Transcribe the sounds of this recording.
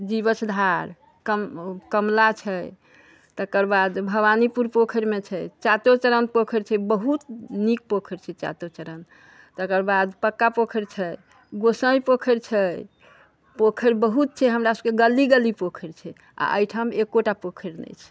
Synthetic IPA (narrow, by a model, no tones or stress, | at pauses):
d͡ʒiβəsd̪ʱaɾ | kəmkəmlat͡ʃʰɛ | t̪əkəɾbad̪bʱəbanipuɾpokʰəɾmet͡ʃʰɛt͡ʃat̪ot͡ʃəɾənpokʰəɾt͡ʃʰɛbəɦut̪nik̚pokʰəɾt͡ʃʰɛt͡ʃa̰t̪ot͡ʃəɾən | t̪əkəɾbad̪pəkːapokʰəɾt͡ʃʰɛj | ɡosəjpokʰəɾt͡ʃʰɛj | pokʰəɾbəɦut̪̚t͡ʃʰɛɦəmɾasəbkeɡəliɡəlipokʰəɾt͡ʃʰɛ | a̰ʔə̰jʈʰəmekːoʈapokʰəɾnɛ̰t͡ʃʰɛ̥